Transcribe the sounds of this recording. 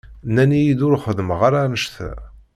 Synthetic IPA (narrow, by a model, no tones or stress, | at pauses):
nːænijid̪ʊɾχəðəməʁaɾanəʃθæ̰